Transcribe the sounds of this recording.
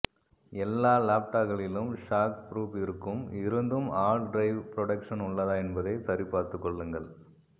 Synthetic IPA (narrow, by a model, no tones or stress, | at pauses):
ɛlːaːlaːp̚ʈaːɣɐɭɪlɯmʂaːkpɾuːpɪɾɯkːɯmɪɾɯnd̪ɯmaːlɖɾɐɪʋpɾɔɽɐkʂɐnʊɭːɐðaːɛnbɐðɐɪt̪ɐɾɪpːaːɾt̪ɯkːɔɭːɯŋɡɐɭ